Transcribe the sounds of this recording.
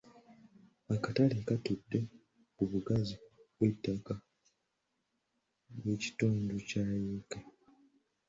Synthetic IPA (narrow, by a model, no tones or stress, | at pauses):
akatalekatudːe̞ | kuβuɡaziβwe̞tːaka | βwe̞ːci̥tuːnducaːjeːke